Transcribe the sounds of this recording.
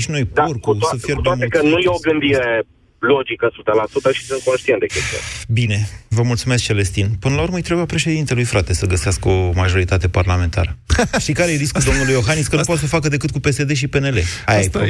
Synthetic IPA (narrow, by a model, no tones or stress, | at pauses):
ʃino̞jporkut̪səfjɾut̪eamekənujeoɡɨnd̪iɾe̞ | lo̞d͡ʒikəsut̪əlasut̪əʃi̥sɨnt̪̚konʃt̪int̪d̪ekʲest̪iṵnbine̞vəmult̪sumesk̚t͡ʃe̞le̞st̪inpɨnəlauɾməɨjt̪ɾe̞bujapɾe̞ʃe̞d̪int̪elujfɾat̪e̞səɡəseaskəo̞maʒo̞ɾit̪at̪e̞parlame̞nt̪a̰ɾəʃikaɾejeɾiskud̪o̞mnulujo̞ɦaniskənuupot̪səfakəd̪e̞kɨt̪kupe̞se̞d̪e̞ʃ̬ipe̞ne̞le̞ajajpo